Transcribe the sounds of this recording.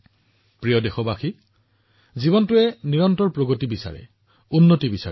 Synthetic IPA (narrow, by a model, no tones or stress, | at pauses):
pɹijɔdexɔbaxi | zibɔntʊɛniɹɔntɔɹpɹoɡotibisa̰ɹɛ̰ | unːotibisa̰ɛ